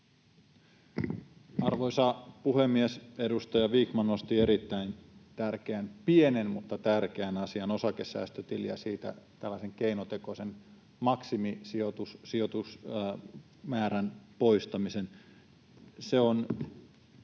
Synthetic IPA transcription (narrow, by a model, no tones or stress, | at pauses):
ɑrʋoisɑpuhemːiesedust̪ɑjɑʋiːkmɑnnost̪ieɾit̪ːæint̪ærk̟eænpienenmut̪ːɑt̪ærkeænɑsiɑno̞sɑkesːæ̰ːst̪øt̪iljɑ̰siːt̪æ̰t̪ælːɑiseŋkeinot̪ekosen | mɑksimisiot̪ussiot̪us | mæːɾænpo̞ist̪ɑmisen | seon